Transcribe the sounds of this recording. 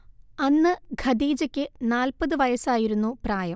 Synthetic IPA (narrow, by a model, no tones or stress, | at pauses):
ɐnːɨɡʱɐd̪iːd͡ʑɐkʲːɨnaːlpɐðɨʋɐjɐsaːjiɾunːupraːjɐm